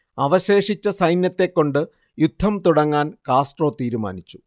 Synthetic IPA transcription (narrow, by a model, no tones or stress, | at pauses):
ɐʋɐɕe̞ːʂit͡ɕːɐsɐjnjɐt̪ːe̞kːo̞ɳɖɨ | jud̪ʱːɐmt̪uɽɐŋːaːnkaːsʈro̞ːt̪iːɾuma̰ːnit͡ɕːu̥